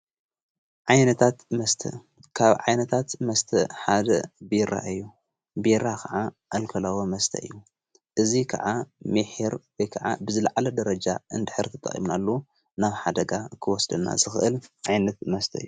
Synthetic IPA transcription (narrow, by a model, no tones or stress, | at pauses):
ʕajnɐt̪ʰat̪mɐst̪ʰɐ̰ | kʰaβʕajnɐt̪ʰat̪mɐst̪ʰɐħad̪ɐ̰biɾa̰ɨjːu | biɾakʰɐʕaʔalkʰɐlawomɐst̪ʰɐ̰ɨ̰jːu | ʔɨzikʰɐ̰ʕamiħiɾwɔjkʰaʕa̰bɨzɨlaʕalɐd̪ɐɾɐd͡ʒa̰ɨnd̪ɨħɨɾt̪ʰɨ̥t̪ʼːɐ̰χʼḭmnalːo | naβħad̪ɐɡakʰɨwɔsd̪ɐnːa̰zɨxɨʔɨlʕajnɐt̪mɐst̪ʰɐɨjːu